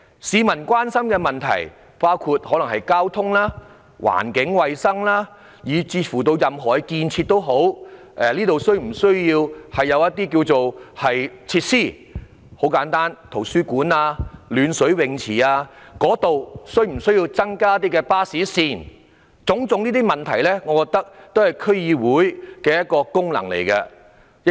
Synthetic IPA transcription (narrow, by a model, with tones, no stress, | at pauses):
siː˨˧mɐ˨˩nkwaː˥nsɐ˥mkɛː˧mɐ˨˩nt̪ʰɐ̰˨˩j | paː˥wkʰu˧t̚hɔ˨˥lŋɦɐ˨jkaː˥wt̪ʰʊ˥ŋlaː˥ | wa̰ː˨˩nkɪ˨˥ŋwɐ˨jsɐ˥ŋlaː˥ | jiː˨˩t͡siː˧fuː˨˩t̪o˧wjɐ˨mɦɔː˨˩jkiː˧nt͡sʰiː˧t̚t̪ːo˥wɦo˨˥w | ʔɛ˨˧liː˥t̪o˨wsɵ˥ɥm̩˨˩sɵ˥ɥjiː˧whɐ˨jːɐ˨˧wjɐ˥t̚t̪ːiː˥kiː˧wt͡so˨whɐ˨jt͡sʰiː˧t̚siː˥˩ | ho˨˥wkaː˨˥nt̪aː˥nt̪ʰo˨˩wsyː˥kuː˨˥naː˧lyː˨˧nsɵ˨˥ɥwɪ˨ŋt͡sʰiː˨˩aː˧kɔː˨˥t̪o˨wsɵ˥ɥm̩˨˩sɵ˥ɥjiː˧wt͡sɐ˥ŋkaː˥t̪̬iː˥kɛː˧paː˥siː˨˥siː˨˩n | t͡sʊ˨˥ŋt͡sʊ˨˧˥ŋniː˥t̪iː˥mɐ˨˩nt̪ʰɐ˨˩jlɛ˥ŋɔː˨˧kɔː˧kt̪ɐ˥k̚t̪o˥whɐ˨jkʰɵ˥ɥjiː˧wuː˨˥jkɛː˧jɐ˥t̚kːɔː˧kʊ˥ŋlɐ̰˨˩ŋlḛ˨˩jkɛ˧